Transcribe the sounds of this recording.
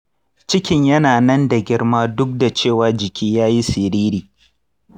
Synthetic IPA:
t͡ʃɪ˦kʲɪ˨ɲjɐ˦naː˨nɐ˦nda˨ɡʲɪ˦ɽmaː˦dʊ˦k̚da˨t͡ʃeː˦˨waː˨d͡ʒɪ˨kʲiː˦jaː˦ji˦sɪ˨ɾiː˦ɾiː˨

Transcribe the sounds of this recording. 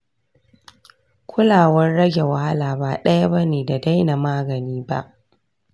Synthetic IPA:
kʷʰʊ˦laː˨wɐ˦rːɐ˦ɡʲe˨wa˦ha˦laː˨baː˨ɗɐ˦ja˦bɐ˦neː˨da˨da˦jna˨maː˦ɡɐ˨niː˦ba̰˦ʔ

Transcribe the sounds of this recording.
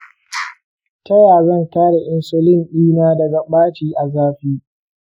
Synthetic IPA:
tɐ˦jaː˨zɐ˦˨ntaː˦ɽe˨ʔɪ˦nsʊ˦lɪ˦˨mɗiː˦naː˦dɐ˨ɡa˨ɓaː˦t͡ʃiː˦ʔa˨zaː˦ɸiː˦

